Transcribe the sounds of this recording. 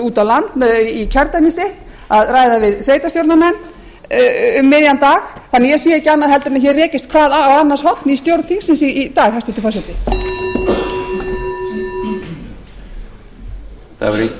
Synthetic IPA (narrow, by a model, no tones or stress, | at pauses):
uːt̪awlant̪nicʰɛɾt̪ajmɪsɪht̪ | aðraːjðavɪðsveːjt̪asjowɾt̪namɛnː | ʏmːɪðjant̪aːxθanːɛjɛsiːjaeːcɪanːaðhɦɛlt̪ʏɾʏnaçjɛɾrɛːcɪst̪̚kʰvaːðaawanːashɔt̪nist̪jowɾt̪θiŋsɪnsit̪aːɣhajst̪ɪt̪ʏ̥faːs̬ɛt̪ɪ | θa̰ɾi